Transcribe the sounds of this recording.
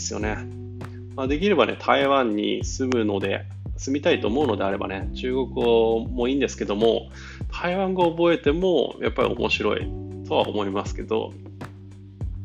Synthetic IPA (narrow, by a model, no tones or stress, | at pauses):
sɨjo̞̰ne̞ | maːd̪e̞k̬ʲiɾe̞banʔe̞̰t̪ʰaiβãɲ̟ːḭsɨmɯ̟no̞d̪e̞̰ | sɨmʲit̪ait̪o̞ːmo̞ɯno̞d̪e̞aɾe̞ba̰ne̞t͡ɕɨːɡo̞kɯ̟omo̞ĩːnd̪e̞sɨ̥ke̞d̪o̞mo̞̰ | t̪ʰaiβãŋɡaobo̞e̞t̪e̞mo̰jʔa̰pːaɾʲḭo̞̰mʔo̞̰ɕiɾo̞ḭt̪ʰo̞β̞a̰o̰mo̞imasɨ̥ke̞d̪o̞̰